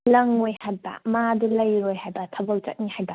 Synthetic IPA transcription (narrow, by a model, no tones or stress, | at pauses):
lɐŋojhat̚bɐ̰madulɐjɾojhajbɐtʰɐbɐwt͡ʃɐ̰t̚nihajbɐ